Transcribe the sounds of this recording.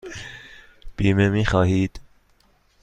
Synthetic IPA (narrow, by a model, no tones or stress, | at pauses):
b̥iːmemiːxɒːhiːd̪̥